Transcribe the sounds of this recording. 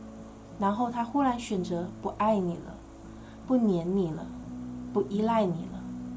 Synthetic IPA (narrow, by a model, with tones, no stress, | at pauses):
ɻa˧˥nxo˥˩ʊt̪ʰa˥xu˥la˧˥nɕɥɛ˨˩nt͡sɤ˧˥pu˧˥ʔa˥˩ɪni˨˩lə̰˦ | pu˥˩njɛ˧˥nni˨˩lə˦pu˥˩ʔi˥la˥˩ɪni˨˩lə˦